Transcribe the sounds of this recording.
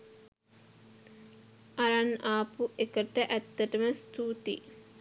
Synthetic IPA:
ʔaɾanaːpuʔekəʈəʔæt̪ːəʈəməst̪uːt̪ḭ

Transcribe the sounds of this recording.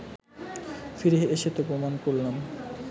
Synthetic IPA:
fiɾeɦeʃet̪opɾomankoɾlam

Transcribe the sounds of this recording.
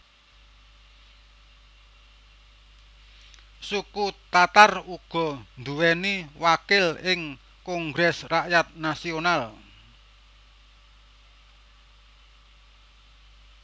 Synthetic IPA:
sukut̪at̪aruɡ̥ɔ̤nd̪uwɛniwakɪlɪŋ | kɔŋɡɾɛsraʔjat̪̚nasional

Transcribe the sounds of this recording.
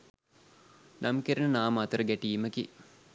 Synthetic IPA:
nʔamkeɾənənaːmat̪əɾəɡæʈiːməkḭ

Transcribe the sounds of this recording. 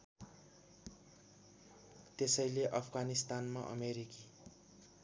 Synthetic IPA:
t̪esʌjleʔʌpʰɡanist̪anma̰ʔʌ̰meɾiki

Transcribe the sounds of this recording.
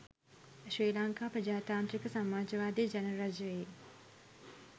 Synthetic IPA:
ʃʋeːlaŋkaːpɾəd͡ʒaːt̪aːnt̪ɾikəsamaːd͡ʒəʋaːd̪iːd͡ʒɛnəɾɐd͡ʒəʋe

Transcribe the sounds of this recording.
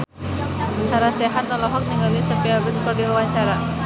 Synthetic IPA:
saɾaseɦat̪ːalɔɦɔk̚niŋɡalisəmpiabəspərdiwawaɲt͡ʃaɾa

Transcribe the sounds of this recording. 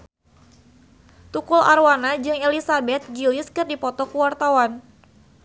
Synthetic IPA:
t̪ukulʔa̰rwanad͡ʒɨŋelisabɛt̪̚ɡilɪskɨrdipɔt̪ɔkuwart̪awan

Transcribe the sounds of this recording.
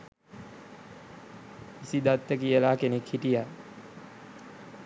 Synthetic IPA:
isid̪at̪ːəkijəlaːkenekhiʈija

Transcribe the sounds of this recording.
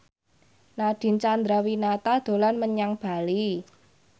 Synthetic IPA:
naɖ̥i̤nt͡ʃand̪ɾawinat̪ad̪̥o̤lanməɲaŋb̥a̤li

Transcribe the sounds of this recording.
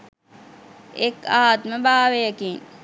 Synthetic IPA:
ekaːt̪məbaːʋejəkiŋ

